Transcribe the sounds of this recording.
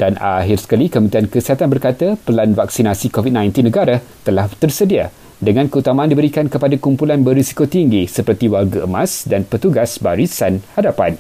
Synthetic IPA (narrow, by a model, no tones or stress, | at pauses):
dana̰ɦirsə̥kalikəmənt̪ɾiankəsiɦat̪anbərkat̪apəlanvaksinasikovit̚nãjnt̪inːə̃ɡaɾat̪əlaht̪ərsədia | dəŋãnkəut̪amãandibəɾikankəpadakumpulanbərɾisi̥kot̪iŋɡisəpərt̪iwarɡaʔəmãsdanpət̪uɡasbaɾisanhadapan